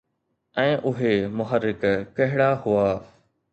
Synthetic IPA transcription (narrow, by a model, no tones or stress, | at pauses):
ɛ̃ːʔʊɦemʊɦəɾːɪkkɐɦɪɽahʊaː